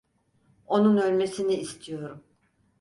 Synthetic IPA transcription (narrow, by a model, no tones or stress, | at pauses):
o̞nunølʲme̞siniːst̪ʰijo̞ɾum